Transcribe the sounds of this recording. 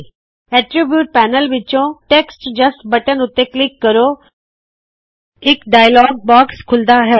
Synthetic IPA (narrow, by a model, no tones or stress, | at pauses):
ɛːʈɾibjuːʈ̚pɛːnəlʋɪt͡ʃõʈeksʈd͡ʒəsʈbəʈənʊt̪ːeklɪkːəɾoː | ɪkɖaːjlɔːɡ̚bɔːkskʰʊld̪aɦɛː